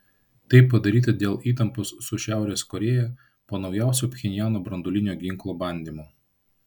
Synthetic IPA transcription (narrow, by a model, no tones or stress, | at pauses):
t̪ɐɪpːɐd̪ɐɾʲiːt̪ɐd̪ʲeːlˠiːt̪ɐmposːʊʃʲæˑʊɾʲeːskɔɾʲeːjɛ | poːnɒʊjæˑʊsʲuːpʲxʲɛnʲɪjæːnoːbɾɐnd̪olʲɪnʲoːɡʲɪŋˑklˠoːbɐnʲd̪ʲiːmoː